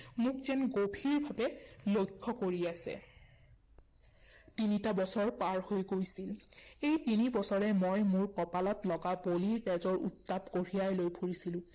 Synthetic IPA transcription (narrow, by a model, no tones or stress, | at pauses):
mukzɛnɡobʱiɹbʱabɛlojkʰːɔkoɹiasɛ̰ | tinitabɔsɔɹpaɹhojɡojsilejtinibɔsɔɹɛmojmuɹkɔpalɔtlɔɡaboliɹtɛzɔɹṵtːapkoɹijajlojbʱuɹisilʊ̃